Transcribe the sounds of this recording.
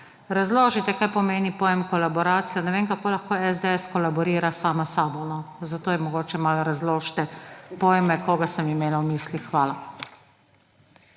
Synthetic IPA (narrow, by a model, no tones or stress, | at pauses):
ɾazloːʒit̪ɛkajpɔmeːnipoːjɛmkɔlabɔɾaːt̪sijanɛʋeːnkakoːlaxkoːɛzd̪eɛskɔlabɔɾiːɾasaːmasaːbɔnɔzat̪oːjɛmɔɡoːt͡ʃɛmalɾazloːʃt̪ɛpoːjmɛkoːɡasəmimeːlawmiːslixxʋaːla